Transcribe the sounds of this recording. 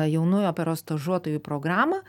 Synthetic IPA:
jɛʊnʊjoːpʲɛɾoːst̪ɐʒuɔt̪oːjupɾoːɡɾɑːmɐ

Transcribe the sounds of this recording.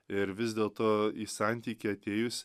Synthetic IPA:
ɪɾʋʲɪzʲd̪ʲeːlˠt̪oːiːsɑˑnʲt̪ʲiːkʲiɐt̪ʲeːjʊsʲ

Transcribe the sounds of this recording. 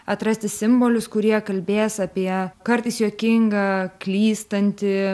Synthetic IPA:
ɐt̪ɾɐsʲt̪ʲɪssʲɪmboːlʲʊskʊɾʲiɛkɐlʲbʲeːsɐpʲiɛkɐɾt̪ɐɪsjuɔkʲɪŋɡɐːklʲiːst̪ɐnʲt̪ʲɪ

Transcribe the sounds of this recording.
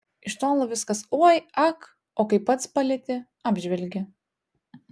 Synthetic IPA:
ɪʃt̪oːlˠoʋʲɪskɐsuɔjɑk | oːkɐɪpːɐt̪spɐlʲɛt̪ʲɪ | ɑːbʲʒʲʋʲɛlʲɡʲɪ

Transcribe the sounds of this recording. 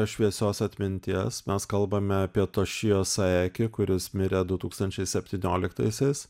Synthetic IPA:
ʃʲʋʲiɛsʲoːsɐt̪ʲmʲɪnʲt̪ʲiɛsmʲɛskɐlˠbɐmʲɛɐpʲiɛt̪oːʃʲɪjoːsɐɛːkʲɪkʊɾʲɪsmʲɪɾʲɛd̪ʊt̪uːkst̪ɐnʲt͡ʃʲɛɪsʲɛpʲt̪ʲiːnʲoːlʲɪkt̪ɐɪsʲɛɪs

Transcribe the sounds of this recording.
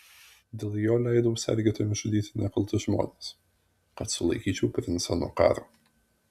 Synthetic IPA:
d̪ʲeːlˠjoːlʲæˑɪd̪oːsʲɛ̰ɾʲɡʲeːt̪ʲɐmʲɪʒʊd̪ʲiːt̪ʲɪnʲɛkɐlˠt̪ʊʒmo̰ːnʲeːs | kɐt̪sʊlˠɐ̰ɪkʲiːt͡ʃʲɛʊpʲɾʲɪnsʲɑnuɔkɑ̰ːɾoː

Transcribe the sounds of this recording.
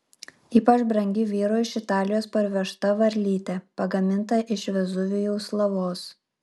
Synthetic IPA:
iːpɐt͡ʃbɾɐŋʲɡʲɪʋʲiːɾoːɪʃɪt̪ɑːlʲɪjoːspɐɾʲʋʲɛʃt̪ɐʋɐɾʲlʲiːt̪ʲɛpɐɡɐmʲɪnt̪ɐʔɪʃʲʋʲɛzʊʋʲʊjɛʊslˠɐʋoːs

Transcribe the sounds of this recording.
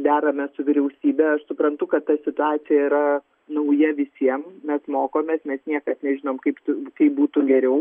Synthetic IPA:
d̪ʲæːɾɐmʲɛsʊʋʲɪɾʲɛʊsʲiːbʲɛɐʃsʊpɾɐnt̪ʊkɐt̪t̪ːɐsʲɪt̪ʊɑːt͡s̪ʲɪjɛiɾɐ | nɐʊjɛʋʲɪsʲiɛmmʲɛsmoːkoːmʲeːsmʲɛsnʲiɛkɐsnʲɛʒʲɪnoːmkɐɪpt̪ʊkɐɪp̚buːt̪ʊɡʲɛɾʲɛʊ

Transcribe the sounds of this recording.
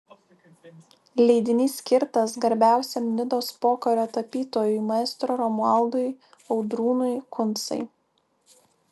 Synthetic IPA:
lʲɛɪd̪ʲɪnʲiːsʲkʲɪɾt̪ɐsɡɐɾʲbʲæˑʊsʲɛmnʲɪd̪oːspoːkɐɾʲoːt̪ɐpʲiːt̪oːjʊjmɐɪst̪ɾoːɾɔmʊɑˑlˠd̪ʊj | ɒʊd̪ɾuːnʊɪkʊnt̪sɐ̰ɪ

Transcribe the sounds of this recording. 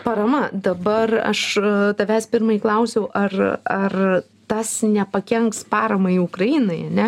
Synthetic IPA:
pɐɾɐmɐd̪ɐbɐrɐ̰ʃt̪ɐʋʲæːsʲpʲɪɾmɐiklˠɐʊsʲɛʊʔɐrɐr | t̪ɐsnʲɛpɐkʲɛŋkspɑːɾɐmɐiʊkɾɐiːnɐɪɐnʲɛ

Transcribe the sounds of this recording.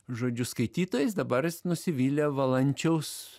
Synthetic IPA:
ʒoːd͡ʒʲʊskɐɪt̪ʲiːt̪oːjɛs̬d̪ɐbɐɾsnʊsʲɪʋʲiːlʲɛʋɐlˠɐnʲt͡ʃʲɛʊs

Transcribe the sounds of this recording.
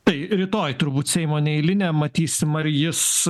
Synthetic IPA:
t̪ɐɪɾʲɪt̪oːjt̪ʊɾbuːt̪sʲɛɪmoːnʲɛɪlʲɪnʲɛːmɐt̪ʲiːsʲɪmɐɾjɪs

